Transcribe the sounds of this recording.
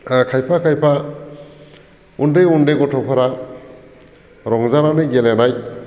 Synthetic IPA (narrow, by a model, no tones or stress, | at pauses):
kʰajpʰakʰajpʰa | undejundeɡɔtʰɔpʰɔɾa | ɾɔŋzananeɡelenaj